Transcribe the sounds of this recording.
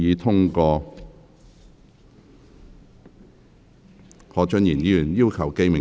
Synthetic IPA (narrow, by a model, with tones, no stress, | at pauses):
iː˨˧t̪ʰʊ˥ŋkɔː˧ | ŋʰɔː˨˥t͡ʃɵ˥njiː˨˩nji˨˥y˨˩njiː˥wkʰɐ˨˩wke˥jmɪ˨˩